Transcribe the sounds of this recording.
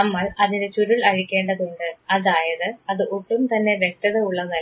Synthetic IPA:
ɐmːɐɭɐðindet͡ɕuɾuɭɐɻikʲːe̞ːɳɖɐðuɳɖɨɐðaːjɐðɨɐðɨʔuʈːumt̪ɐnːe̞ʋjek̚t̪ɐðeuɭːɐnɐ

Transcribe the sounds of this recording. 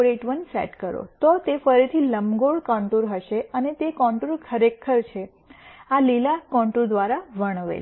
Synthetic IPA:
ɾeʈʋənsɛ̰ʈkəɾo̰t̪ot̪efəɾit̪ʰiləmɡoɭkɔ̃ɳʈuɾɦəʃeənet̪ekɔ̃ɳʈuɾkʰəɾekʰəɾt͡ʃʰe | alilakɔ̃ɳʈud̪ʋaɾaʋəɽ̃əʋḛ

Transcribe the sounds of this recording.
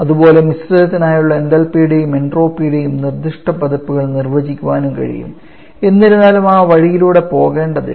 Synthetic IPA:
ɐðubo̞ːle̞misrɐd̪ɐt̪ːinaːjuɭːɐend̪ɐlpijuɽe̞jume̞ɳɖro̞ːpːijuɽe̞jumnird̪iʂʈɐpɐd̪ɐpːuɣɐɭnirʋɐd͡ʑikʲːuʋaːnumkɐ̰ɻḭjṵm | e̞nːiɾunːaːlumaːʋɐɻijiluːɽe̞po̞ːɣe̞ːɳɖɐðɨ̰

